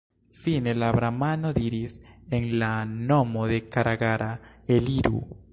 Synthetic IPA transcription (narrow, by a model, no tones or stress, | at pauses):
finelaβɾamanoðiɾiseŋlanomoðekaɾʔaɣaɾʔaeliɾṵ